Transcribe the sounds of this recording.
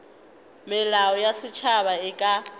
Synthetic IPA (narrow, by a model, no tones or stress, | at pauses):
mɪlaɔjasɪt͡ʃʰaβaɪkʼa